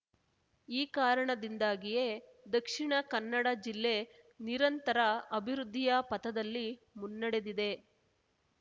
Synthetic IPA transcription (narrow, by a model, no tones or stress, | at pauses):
iːkaːɾɐɳɐd̪ind̪aːɡije̞ | d̪ɐkʂiɳɐkɐnːɐɽɐd͡ʒilːe | niɾɐnt̪ɐɾɐɐbʱiɾud̪ʱːijɐpɐt̪ɐd̪ɐlːi | munːɐɽe̞d̪id̪e̞